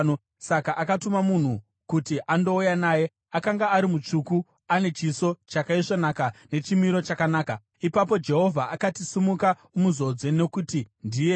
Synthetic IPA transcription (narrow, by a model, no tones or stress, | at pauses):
o | sakaʔakatumamun̤u | kutiʔando̞ujanaːje̞ | akaŋɡaːɾimut͡ʂuku | ane̞t͡ʃiso̞t͡ʃakaiʐanakane̞t͡ʃimiɾo̞t͡ʃakanaːka | ipap̬o̞d͡ʒe̞ɦo̞vʱaʔakatisimuka | umuzo̞d͡ze̞ne̞kutindije